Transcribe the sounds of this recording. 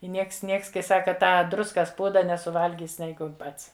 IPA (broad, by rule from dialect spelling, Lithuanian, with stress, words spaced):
ɪ ˈnʲiɛks ˈnʲiɛks kɐɪ ˈsɑːkɐ ˈtɑː ˈdrʊskɐs ˈpuːdɐ nʲɛsʊˈʋɐlʲɡʲiːs ˈnʲɛɪɡʊ ˈpɐts